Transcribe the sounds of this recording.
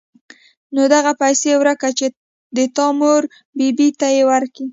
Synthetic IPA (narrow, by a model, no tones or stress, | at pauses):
nod̪aɣapajsewɾakat͡ʃe | d̪ət̪ɑmoɾ | bibit̪ajewaɾki